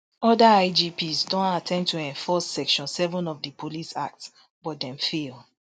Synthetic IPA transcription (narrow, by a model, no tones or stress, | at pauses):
ɔdaaɪd͡ʒipʰizdõntatʰɛ̃ntʰuɛ̃ɱfɔsːɛkʃɔ̃nsɛvɔ̃nɔvdəpʰolisak̚ts | b̥ɔt̚dɛ̃mfilˠ